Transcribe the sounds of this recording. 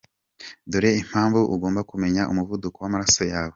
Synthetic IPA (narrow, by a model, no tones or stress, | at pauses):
doɾeim̥haːɱvuʔuɡo̞ːmbakume̞ɲaʔumuvudukowamaɾasojaːwe